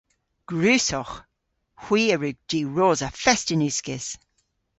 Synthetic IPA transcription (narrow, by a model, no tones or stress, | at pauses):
ɡ̥ɹʉːsɔχ | hw̥iːəɹʉɡ̚d̥iːɹoːzəfɛstɪnʉskɪz̥